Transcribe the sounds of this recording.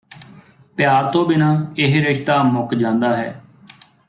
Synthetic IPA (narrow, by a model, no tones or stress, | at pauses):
pɪjaːɾt̪õːbɪnãːɪɦɾɪʃt̪aːmʊkd͡ʒãːnd̪aːɦɛː